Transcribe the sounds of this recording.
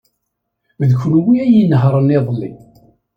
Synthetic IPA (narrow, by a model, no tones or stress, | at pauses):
ðçʷənwiæjinəɦɾˤənɪðˤlːḭ